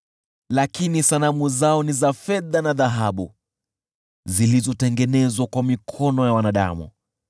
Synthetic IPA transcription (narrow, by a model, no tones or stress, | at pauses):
lakinisalamuzaɔnizafɛðanaðaɦaɓṵ | zilizɔtɛŋɡɛnɛzwakwamikʰɔnɔjawanaɗa̰mṵ